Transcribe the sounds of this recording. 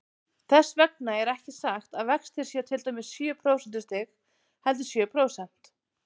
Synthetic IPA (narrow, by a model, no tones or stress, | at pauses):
θɛsːvɛk̚naɛɾɛhcɪsaxt̪aðvɛkst̪ʰɪɾ̥sjɛt̪ʰɪlt̪œɥmɪsːjœpʰɾowsɛnt̪ɪ̥ɾst̪ʰɪx | hɛlt̪̬ʏ̥sjœːpʰɾoːwsɛn̥t̪